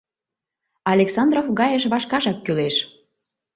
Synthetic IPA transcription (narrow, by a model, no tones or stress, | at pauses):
ɑlʲeksɑnd̪rofɣɑjəʃ̬βɑʃkɑʒɑkːyleʃ